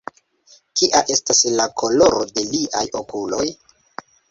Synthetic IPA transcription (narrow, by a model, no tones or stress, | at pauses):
kiʔaʔe̞staslakʰo̞lo̞ɾode̞liʔajo̞kulo̞j